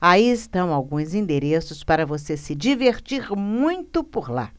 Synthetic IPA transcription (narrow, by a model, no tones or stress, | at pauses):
aiɪst̪ɐ̃w̃awɡũj̃zĩnd̪eɾesʊspaɾɐvosesɪd͡ʒiveɾt͡ʃiɾmũj̃t̪ʊpoɾla̰